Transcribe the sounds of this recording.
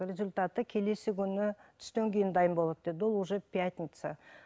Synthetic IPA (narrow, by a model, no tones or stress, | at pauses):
rʲe̞zʊlʲt̪at̪əkʲʰe̞le̞sɪkʲʰʏnːɪt̪ʰʏ̥st̪eŋɡʲe̞nd̪ɑjəmbo̞lˠat̪d̪ed̪olˠuʒepʲːiat̪ʲnʲit̪sə